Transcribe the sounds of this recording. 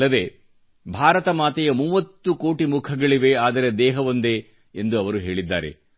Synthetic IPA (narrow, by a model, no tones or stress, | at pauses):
ɐd̪e̞ː | bʱaːɾɐt̪ɐmaːt̪ɛjɐmuːʋɐt̪ːuko̞ːʈimukʰɐɡɐɭiʋe̞aːd̪ɐɾed̪ɛːɦɐʋond̪eː | end̪uɐʋɐɾuɦe̞ːɭid̪ːa̰ːɾe̞̰